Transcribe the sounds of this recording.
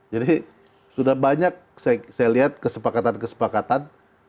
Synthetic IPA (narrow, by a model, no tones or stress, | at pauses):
d͡ʒadi | sudahbaɲak̚sajasajaliɦat̪̚kəsəpakat̪ankəsə̥pakat̪an